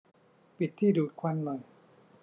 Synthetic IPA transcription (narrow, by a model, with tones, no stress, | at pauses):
pi˨˩t̪ʰːiː˥˩duː˨˩t̪̚kʰwa˧nmɔ˨˩j